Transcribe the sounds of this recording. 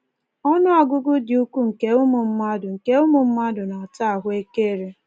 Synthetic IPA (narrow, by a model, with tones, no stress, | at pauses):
ɔ˦nʊ˦a˨ɡʊ˦ɡʊ˦dɪ˨u˦ku˦ŋ̩˨ke˦ʊ˦mʊ˨m̩˦ma˦dʊ˨ŋ̩˨ke˦ʊ˦mʊ˨m̩˦ma˦dʊ˨na˨ta˦a˨ɦʊ˦e˦ke˦˨ɾe˦